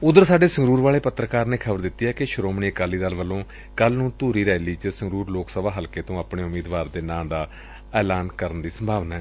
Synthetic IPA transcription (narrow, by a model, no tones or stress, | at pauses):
ʊd̪əɾsaːɖeːsəŋɡɾuːɾʋaːɭeːpət̪ːɾəkaːɾneːkʰəbəɾd̪ɪt̪ːiːɦɛːkɪʃʊɾoːmɳiːəkaːliːd̪əlʋəlːõː | kəlnũːt̪uːɾiːɾɛːliːt͡ʃəsəŋɡɾuːɾloːksəbaːɦəlkeːt̪õːaːpɳeːʊmiːd̪ʋaːɾd̪eːnãːd̪aː | ɛːlaːnkəɾənd̪iːsəmbʱaːʋnaːɦɛː